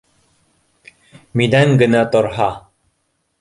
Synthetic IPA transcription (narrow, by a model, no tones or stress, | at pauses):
mid̪æŋɡɘ̆næt̪ŏɾɦɑ